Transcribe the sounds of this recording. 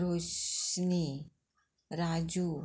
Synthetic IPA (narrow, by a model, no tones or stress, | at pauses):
ɾosni | ɾad͡ʒu